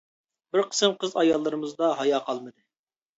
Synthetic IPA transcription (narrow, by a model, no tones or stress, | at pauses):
bɪɾqʰə̥sɨmqʰəzɑjɑlˠːɨɾɨmɨzd̪ɑɦɑjɑːqʰɑlˠmɨd̪ɨ